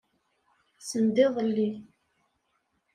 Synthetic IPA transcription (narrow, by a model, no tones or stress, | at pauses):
sənd̪ɪðˤəlːi